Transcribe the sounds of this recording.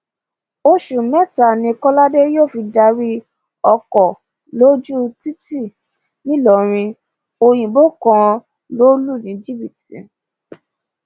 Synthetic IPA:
o˧ʃu˨mɛ˦˨ta˨nĩ˧kɔ˦la˦de˦joː˦˨fi˧da˧ɾi˧ | ɔ˧kɔ˨ | lo˦d͡ʒu˦ti˦ti˦˨ | nĩ˦lɔ˨ɾ̃ĩ˧ | o˧j̃ĩ˨bo˦kã˧ | lo˦lu˦˨nĩ˨˦d͡ʒi˦bi˨tĩ˨˦

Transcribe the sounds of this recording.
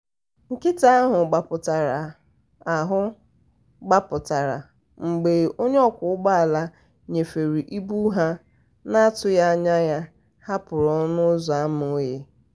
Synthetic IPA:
ŋ̩˨kɪ˦ta˦a˦ɦʊ˨ɡ͡ba˨pʊ˨ta˨ɾa˨ | a˨ɦʊ˦ | ɡ͡ba˦pʊ˨ta˨ɾa̰˨ | ŋ͡m̩˨ɡ͡be˨o˦ɲ˦ɔ˦kʷʊ˦ʊ˦ɡ͡ba˦a˨la˦ | ɲe˨fe˨ɾi˨ʔi˦bu˦ɦa˦ | na˦a˦tʊ˨ja˦a˦ɲa˦ja˦ | ha˦pʊ˨ɾɔ˦nʊ˦za˦m˦˨˦je˦

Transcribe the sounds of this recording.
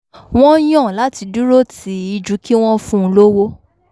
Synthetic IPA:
w̃ɔ̃˦j̃ɔ̃˦˨la˨˦ti˧du˦ɾo˦ti˨˦i˧d͡ʒu˨˦ki˦w̃ɔ̃˦fũ˦˧lo˦wo˦

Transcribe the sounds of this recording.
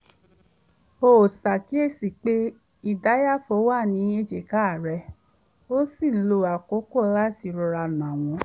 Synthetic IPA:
o˨sa˨ki˨˦e˦˨si˨k͡pe˦ | i˧da˨˦ja˦fo˧˦wa˦˨nĩ˨˧˦e˦d͡ʒe˧˨ka˦˨˦ɾɛ˧˦ | o˦si˦˨˦lo˧a˨ko˨˦kɔ˦la˦ti˧ɾɔ˧ɾa˧nã˨w̃ɔ̃˨˧˦

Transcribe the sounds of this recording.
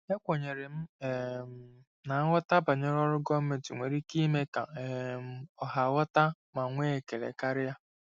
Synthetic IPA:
e˦kʷo˨ɲe˨ɾe˨m̩˦e˨m̩˨ | na˨a˦ŋʷɔ˦ta˦ba˨ɲe˦ɾɔ˦ɾʊ˦ɡɔ˦m̩˦me˨tḭ˨ŋʷe˨ɾi˦ki˦me˦ka̰˨e˨˦m̩˦ɔ˨ɦa˨wɔ˦ta˦ | ma˨ŋʷe˦e˨ke˨lḛ˨ka˦ɾɪ˦ja˦

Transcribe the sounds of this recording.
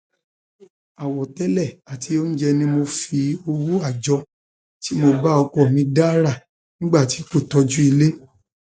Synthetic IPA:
a˨wɔ˨tɛ˦lɛ˦˨a˨tʰi˨˧˦o˦n̩˦d͡ʒɛ˧nĩ˧mo˧fi˧o˧wu˦a˦˨d͡ʒɔ˧˦ | ti˨˦mo˧ba˦ɔ˧kɔ˨mĩ˧da˦ɾa˦˨ | nĩ˦ɡ͡ba˦˨ti˨˦ko˦˨tɔ˧d͡ʒu˦i˧le˦

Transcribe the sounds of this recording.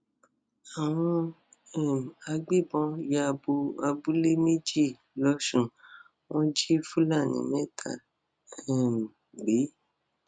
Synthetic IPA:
a˨w̃ɔ̃˧ | ɛ˨m˨a˧ɡ͡bi˦˨bɔ̃˧ja˧bu˧a˧bu˦le˦me˦d͡ʒi˦˨ | lɔ˧ʃũ˨ | wʔɔ̃˦d͡ʒi˦fũ˦la˦˨nḭ̃˨mɛ̃˦˨tʰa̰˨ | ɛ˨m˨ | ɡ͡be˨˦

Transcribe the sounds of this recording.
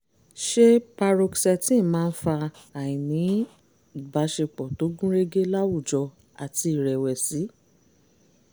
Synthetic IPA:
ʃe˦pa˧ɾo˧ksɛ˧˨tĩ˦˨˦mãː˦˧n̩˦fa˧ | a˨ĩ˨nĩ˨˦ | i˨ba˨˦ʃe˧k͡pɔ˨to˨˦ɡũ˦ɾe˦ɡe˦la˦wu˦˨d͡ʒɔ˧ | a˨ti˧i˨ɾɛ˨wɛ˨si˨˦

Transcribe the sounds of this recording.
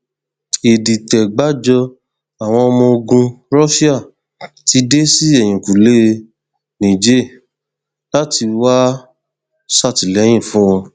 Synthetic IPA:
e˨di˨tɛ˨ɡ͡ba˨˦d͡ʒɔ˧ | a˨w̃ɔ̃˧ɔ˧mɔ̃˧o˧ɡũ˧ɾɔ˦ʃi˦a˦˨ | ti˧de˦si˦ɛ˦˨j̃ĩ˨ku˨le˦ | nĩ˨d͡ʒe˦˨ | la˦ti˧wa˦ | sa˦˨ti˨lɛ˨˦j̃ĩ˦˨fũ˦w̃ɔ̃˧

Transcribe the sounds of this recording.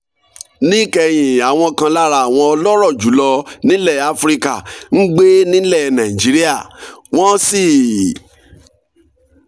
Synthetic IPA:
nĩ˦kɛ˧j̃ĩ˨a˨w̃ɔ̃˧kã˧la˦ɾa˧˨w̃ɔ̃˧ɔ˧lɔ˦ɾɔ˦˨d͡ʒu˨˦lɔ˧nĩ˦lɛ˦˨a˧fɾi˦ka˦˨n̩˦ɡ͡be˦nĩ˦lɛ˦˨nã˨i˨d͡ʒi˨˦ɾi˦a˦˨w̃ɔ̃˦si˦˨

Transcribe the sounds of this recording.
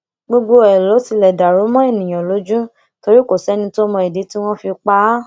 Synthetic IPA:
ɡ͡bo˧ɡ͡bo˧ɛ˨lɔ˨˦si˧lɛ˨da˨ɾo˨˦mɔ̃˦e˦˨nĩ˨j̃ã˨lo˨˦d͡ʒũ˦ | to˧ɾi˦ko˦˨sɛ˨˦nĩ˧to˦mɔ̃˧i˨de˨˦ti˦w̃ɔ̃˦fi˧k͡pa˦

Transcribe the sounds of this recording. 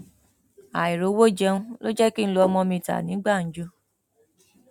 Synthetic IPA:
a˨i˨ɾo˨˦wo˦d͡ʒɛ˧ũ˦lo˦d͡ʒɛ˦ki˦n̩˦lo˧ɔ˧mɔ̃˧mĩ˧ta̰˨nĩ˨˦ɡ͡ba˦˨n̩˦d͡ʒu˦

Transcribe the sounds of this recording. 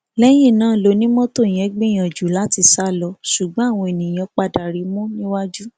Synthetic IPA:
lɛ˦j̃ĩ˦˨nãː˦˨lo˧˦nĩ˦mɔ̃˦to˦˨j̃ɛ̃˨˦ɡ͡bĩ˦j̃ã˨d͡ʒu˨˦la˦ti˧sa˦˨lɔ˧ʃu˨ɡ͡bɔ̃˨˦a˦˨w̃ɔ̃˧e˨nĩ˨j̃ã˧k͡pa˧da˨ɾi˨˧mũ˦nĩ˦wa˦d͡ʒu˦

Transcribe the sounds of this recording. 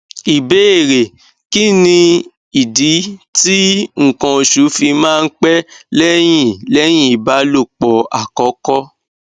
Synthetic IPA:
i˨be˦e˦˨ɾe˨ | ki˦nĩ˧ | i˨di˨˦ti˦ŋ̩˨kã˧o˨ʃu˨˦fi˧mãː˦˧n̩˦k͡pɛ˦lɛ˦j̃ĩ˦˨lɛ˦j̃ĩ˦˨i˨ba˨˦lo˦˨k͡pɔ˨a̰˨kɔ˨˦kɔ˦

